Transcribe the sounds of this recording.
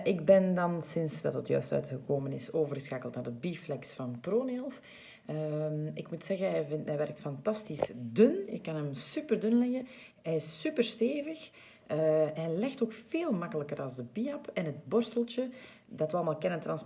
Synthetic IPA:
ʔɪɡbɛndɑnsɪnsdɑtətjœ̰ːstœ̰ːtxəkoːmənɪsoːvərɣəsxaːkəlˠtnaːrdəbiːflɛksfɑnproːneːlˠs | əmɪkmutsɛɣənɦɛjvɪnɛʋɛrk̚tfɑntɑstisdɵnjəkɑnɦəmsypərdɵnlɛɣə | ɦɛjɪsːypərsteːvəx | əɦɛjlɛxtoːkfeːlˠmakələkəɾɑlˠzdəbiːapʰɛnɦət̚bɔrstəlˠtə | dɑtʋəɑlˠəmaːlˠkɛnəntrɑns

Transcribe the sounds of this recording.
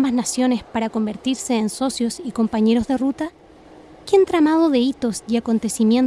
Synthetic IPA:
baznasjo̞ne̞spaɾako̞mbe̞ɾt̪iɾse̞ːnso̞sjo̞siko̞mpaɲe̞ɾo̞zðe̞rut̪a | kent̪ɾamað̞o̞ðe̞it̪o̞siako̞nt̪e̞simjen

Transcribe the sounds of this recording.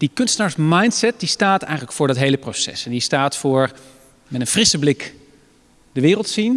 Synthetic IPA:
d̥ikɵnstənaːɹsmajntsɛt̚distaːtɛ̰jχənləkfʊːɹdɑtɦejləprowsɛ̰sɛndistaːtfʊːɹ | mɛtə̃nfrɪsəblɪk | dəʋɪːrəlˠtsin

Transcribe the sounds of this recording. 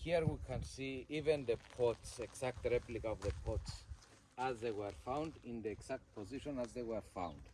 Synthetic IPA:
hiɹwikʰãnsiivɛ̃nðəpʰɔtsɛksak̚tɹɛplikaɔvðəpʰɔts | azðeɪwɛɹfãʊw̃ndĩnðiɛksak̚t̚pʰɔziʃɔ̃nazðewɛɹfã̰ʊ̃nd̥

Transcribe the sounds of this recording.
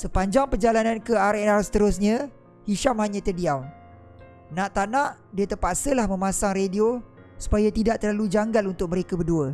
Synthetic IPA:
səpaɲd͡ʒaŋpərd͡ʒalanãnkəaɾɛnasət̪əɾʊs̬ɲə̃ | hiʃamhaɲãt̪ədiawn | nãʔt̪anãʔ | diat̪ərpaʔsəlahmə̃mãsaŋredio | su̥pajat̪idaʔt̪ərlalud͡ʒaŋɡalunt̪ʊk̚mə̃ɾekabərduə

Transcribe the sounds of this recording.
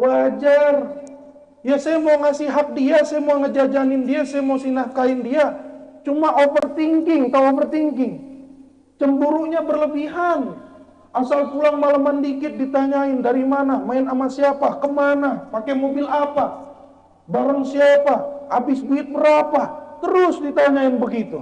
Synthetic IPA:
wad͡ʒar | jasajamowŋasiɦak̚diasajamaaŋəd͡ʒad͡ʒanɪndiasajamosinahkaɪndiat͡ʃumaʔofərt̪iŋkɪŋt̪awofərt̪iŋɡɪŋ | t͡ʃəmbuɾuʔɲabərləbiɦan | asalpulaŋmalamandikɪt̪̚dit̪aɲaɪndaɾimanamaɪnamasiapakəmanapakɛmobɪlapa | baɾaŋsiapaabɪsbiɪt̪̚bəɾapat̪əɾʊsdit̪aɲaɪnbəɡit̪u

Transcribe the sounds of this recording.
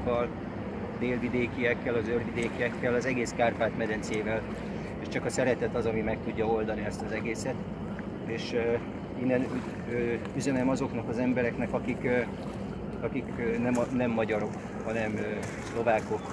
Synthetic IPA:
kːɒl | ɒd̪eːlvid̪eːkijɛkːɛlɒzørvid̪eːkijɛkːɛlɒzɛɡeːskaːrpaːt̪mɛd̪ɛnsieːvɛl | eːʃt͡ʃɒkɒsɛɾɛt̪ɛt̪ɒzɒmimɛk̚t̪uɟːɒo̞ld̪ɒniɛst̪ɒzɛɡeːsɛt̪ | eːʃ | inːɛnu | øyzɛnɛmɒzo̞knɒkɒzɛmbɛɾɛknɛkɒkik | ɒkikːnɛmnɛmːɒɟɒɾo̞k | hɒnɛm | slo̞vaːko̞k

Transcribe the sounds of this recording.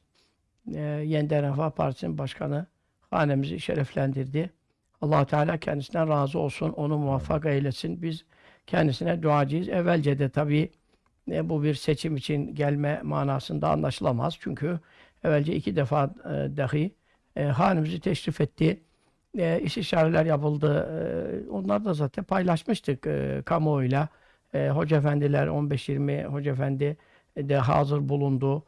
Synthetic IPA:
jenid̪ænafapʰa̰ɾt̪ʰisninbaʃkʰanɯ | haːnemiziʃɛɾæflʲænd̪iɾd̪i | ɑlˠːɑaːhut̪ʰɛaːlʲaːcʰɛnd̪isinæɾaːzɯo̞lˠsuno̞numuvafːɑkailʲesinbiz | cʰɛnd̪isinɛd̪uaːd͡ʒɯjɯzɛvːælʲd͡ʒɛd̪ɛt̪ʰabiː | bubiɾset͡ʃʰimit͡ʃʰinɟælʲmɛma̰ːnaːsɯnd̪a̰ːnlˠaʃɯlˠama̰z̥t͡ʃʰyɲcʰy | ɛvælʲd͡ʒɛicʰid̪ɛfaːd̪ahɯ | ɦaːnimizit̪ʰɛʃɾifɛt̪ːi | iʃiʃaːɾilʲæɾjapɯlˠd̪ɯ | o̞̰nlˠaɾd̪azaːt̪ʰɛnpʰajlˠaʃmɯʃt̪ʰɯkkʰamojlʲˠa | ɦo̞d͡ʒefænd̪ilʲæ̰ɾo̞nbɛʃjiɾmḭho̞d͡ʒefænd̪i | d̪ɛɦa̰ːzɯɾbulˠund̪u

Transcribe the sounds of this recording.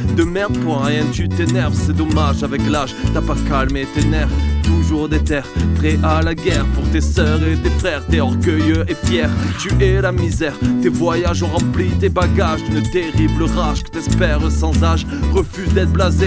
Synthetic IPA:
d̪əmɛmpɔʁjɛ̃t̪yt̪enɛʁvsɛd̪ɔmaʒavɛklaʒt̪yapakalmet̪enɛʁvt̪uʒuʁd̪et̪ɛʁpχɛʔalaɡɛʁpuʁt̪esœʁet̪efχɛʁt̪eɔ̃ʁɡœjøefjɛʁt̪yʔɛlamizɛʁt̪evwajaʒɔ̃ʁɑ̃plit̪ebaɡaʒd̪ynt̪eʁibləʁaʒkə̥t̪ɛspɛʁəsɑ̃zaʒ | ʁəfyzd̪ɛt̪blaze

